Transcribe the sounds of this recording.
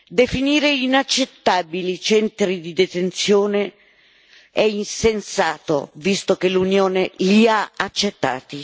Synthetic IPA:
d̪efiniːɾeinat͡ʃːet̪ːaːbilit͡ʃɛnt̪ɾid̪id̪et̪ent̪sjɔːne | ɛinsensaːt̪o̰vist̪okelunjoːneliaat͡ʃːet̪ːa̰ːt̪i

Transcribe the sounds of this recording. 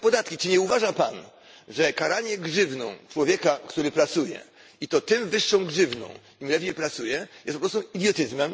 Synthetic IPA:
pɔd̪at̪̚kʲit͡ʂɘɲɛuvaʐapan | ʐɛkaɾaɲɛɡʐɘvnɔ̰̃w̃t͡ʂwɔvʲjɛkakt̪uɾɘpɾat̪sujɛ̰ | it̪ɔt̪ɘmvɘʂːɔ̃w̃ɡʐɘvnɔ̰̃w̃ | imlɛvʲɲejpɾat̪sujɛjɛstpɔpɾɔst̪uid̪ʲjɔt̪ɘzmɛm

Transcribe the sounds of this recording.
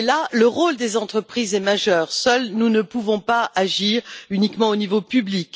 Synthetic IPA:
laləʁold̪ezɑ̃t̪χəpχizɛmaʒœːʁsœlnunəpuvɔ̃paaʒiʁynikmɑ̃onivopyblik

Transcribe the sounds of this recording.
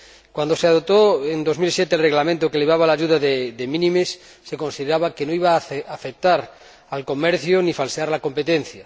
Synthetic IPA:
kwand̪oseaðot̪oend̪o̞zmilsjet̪elreɣlamẽnt̪okeleβ̞aβalaʝuðaðed̪emĩnĩmesː | e̞ko̞nsiðeɾaβakenoiβaːfek̚t̪aɾ | alko̞meɾθjonifalseaɾlako̞mpet̪enθja

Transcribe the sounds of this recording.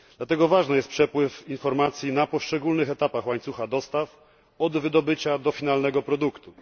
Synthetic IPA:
d̪̥lat̪ɛɡɔvaʐnɛjɛst̪pʂɛpwɘfinfɔɾmat̪sʲjinapɔʂt͡ʂɛɡulnɘxɛt̪apaxwaɲt̪suxad̪ɔst̪af | ɔd̪vɘd̪ɔbɘt͡ɕad̪ɔfʲinalnɛɡɔpɾɔd̪ukt̪u

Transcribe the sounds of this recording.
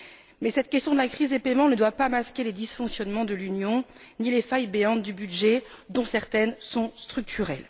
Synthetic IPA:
mɛsɛt̪̚kʲɛst̪jɔ̃d̪əlakχizd̪epɛmɑ̃nəd̪wapamaskʲeled̪isfɔ̃ksjɔnmɑ̃d̪əlynjɔ̃ | nilefajbeɑ̃t̪̚d̪ybyd̪ʒɛd̪ɔ̃sɛʁt̪ɛnsɔ̃st̪χyk̚t̪ʰyʁɛl

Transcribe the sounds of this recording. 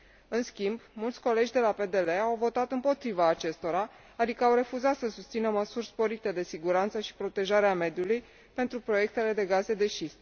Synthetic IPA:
ɨnskʲimbmult̪sʲko̞le̞d͡ʒd̪e̞lape̞d̪e̞le̞awvo̞t̪at̪ɨmpo̞t̪ɾivaːt͡ʃe̞st̪o̞ɾa | ad̪ikəawɾe̞fuzat̪səsust̪sinəməsurʲspo̞ɾit̪e̞d̪e̞siɡuɾant̪səʃi̥pɾo̞t̪e̞ʒaɾeame̞d̪juluj | pe̞nt̪ɾupɾo̞je̞k̚t̪e̞le̞d̪e̞ɡaze̞d̪e̞ʃist̪

